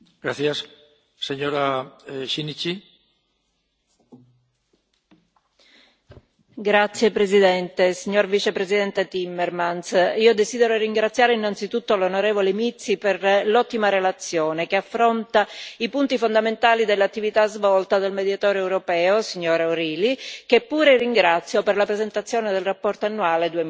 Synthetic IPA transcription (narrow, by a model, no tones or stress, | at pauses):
ɡ̥ɾaθjasː | eɲoɾaʃinit͡ʃi | ɡɾat̪sːjepɾezid̪ɛnt̪esiɲːorvit͡ʃepɾezid̪ɛnt̪et̪imːeɾmansiːod̪ezid̪eɾoriŋɡɾat̪sːjaːɾeinːant̪sit̪ut̪ːolonoɾevolemit̪sːiperlɔt̪ːimaɾelat̪sːjɔːnekeafːɾont̪aipunt̪ifond̪ament̪aːlid̪elːat̪ːivit̪azvɔlt̪ad̪elmed̪jat̪ɔːɾoɛwɾopɛːosiɲːoːɾaoɾiːlikepːuːɾeriŋɡɾat̪sːjoperlapɾezent̪at̪sːjoːned̪elrapːɔrt̪oanːuaːled̪uem